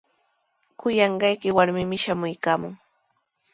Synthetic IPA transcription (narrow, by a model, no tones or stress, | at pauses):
kʊjɑɴɢɑjkɪwaɾmɪmɪʃamʊjkaːmʊ̰ŋ